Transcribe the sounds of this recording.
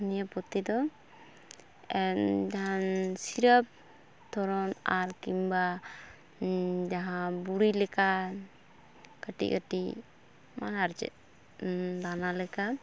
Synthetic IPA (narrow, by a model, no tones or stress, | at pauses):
nijapɔt̪ːid̪ɔ | ɛd͡ʒaɦansiɾəp̚ | t̪ʰɔɾɔnaɾkimba | d͡ʒaɦãbuɾilɛka | kəʈḭʔkəʈi | manaɾd͡ʒɛ̰ | d̪analɛka